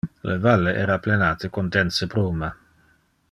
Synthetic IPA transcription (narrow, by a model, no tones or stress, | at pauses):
lʔevalːeʔɛːɾaplenaːt̪ekond̪ɛnsebɾuːma